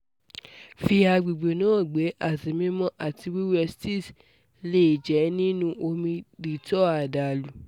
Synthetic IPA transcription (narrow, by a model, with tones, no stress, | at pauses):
fi˧a˧ɡ͡bi˨ɡ͡be˨nã˨˦˨ɡ͡be˨˦a˦˨si˨mĩ˦mɔ̃˦ʔa˦˨ti˧wi˦wɛ˧sti˦˨s | le˦˨d͡ʒɛ˨˦nĩ˦nũ˧ʔo˧mĩ˧di˨tɔ˦a˨da˨lu˨